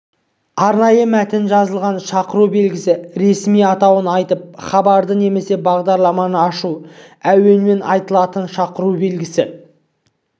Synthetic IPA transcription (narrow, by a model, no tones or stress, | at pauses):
ɑɾnɑjəmæt̪ɪnʒɑzəlˠʁɑnʃɑqəɾube̞lɡʲɪsɪɾe̞smijɑt̪ɑwənɑjt̪əp̚χɑbɑɾd̪əne̞me̞se̞bɑʁd̪ɑɾlˠɑmɑnəɑʃuæwe̞nme̞nʔɑjt̪əlˠɑt̪ənʃɑqəɾube̞lɡʲɪsɪ